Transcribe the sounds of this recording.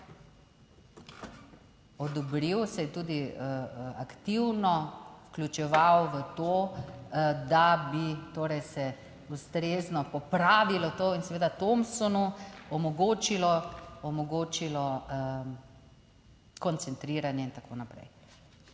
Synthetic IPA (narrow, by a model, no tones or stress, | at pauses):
ɔd̪ɔbɾiwsɛjɛt̪uːd̪i | akt̪iwnɔwklʲut͡ʃɛʋawʋət̪oː | d̪abit̪oːɾɛjsɛ | ust̪ɾeːznɔpɔpɾaːʋilɔt̪oːinsɛʋeːd̪at̪omsɔnuɔmɔɡoːt͡ʃilɔɔmɔɡoːt͡ʃilɔ | kɔnt̪sɛnt̪ɾiːɾanjɛint̪akʰo̰ːnapɾɛ̰j